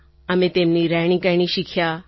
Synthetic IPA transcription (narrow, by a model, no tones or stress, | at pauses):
ɐmẽt̪eːmniɾaɽ̃ĩkəjɳ̃ĩʃikʰja